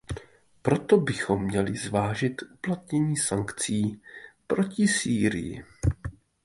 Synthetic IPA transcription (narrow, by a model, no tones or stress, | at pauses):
pɾo̞t̪obɪxo̞mːɲɛlɪzvaːʒɪt̪ʔuplat̪̚ɲɛɲiːsaŋkt͡siːpɾo̞cɪsiːɾɪ̰jɪ̰